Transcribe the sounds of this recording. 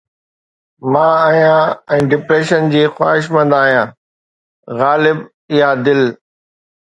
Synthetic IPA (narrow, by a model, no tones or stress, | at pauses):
mãːaːɦijãɛ̃ːɖɪpɾeːʃənd͡ʑiːxwa̰ːɦɪʃ̬mɐ̃nd̪aːɦijãː | ɣaːlɪb | ɪjad̪ɪl